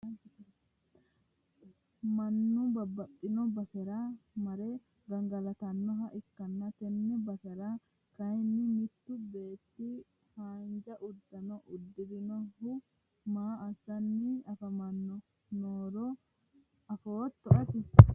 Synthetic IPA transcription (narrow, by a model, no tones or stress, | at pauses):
mɐnːʊbɐbːɐt̪ʼːɪnɔbɐsɛɾamɐɾɛ | ɡɐŋɡɐlɐt̪ɐnːɔɦɐʔɪkːɐnːɐt̪ɛnːɛbɐsɛɾa | kɐjnːɪmɪt̪ːʊbe̞ːt̪ːɪ | haːnd͡ʒɐʔʊd̪ːɐnɔʔʊd̪ːɪd̪ɪnɔhʊ | maːʔɐsːɐnːɪɐfɐmɐnːɔ | noːɾɔ | ɐfoːt̪ːɔʔɐt̪ɪ